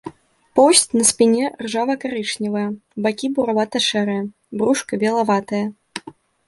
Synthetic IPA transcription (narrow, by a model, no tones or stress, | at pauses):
pɔsʲtʲnɐsʲpʲinʲɛrʐavɐkaɾɨt͡ʂnʲivɐjɐbakʲibuɾavat̪ɐʂɛɾɐjɐ | bɾuʂkɐbʲɛlˠavat̪ɐjɐ